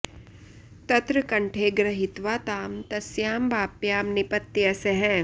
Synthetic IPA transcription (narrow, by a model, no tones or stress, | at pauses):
t̪ɐt̪ɾɐkɐɳʈʰeːɡɾɐɦit̪ʋaːt̪aːmt̪ɐsjaːmbaːpjaːmnipɐt̪ːiɐseɦɛ̃ː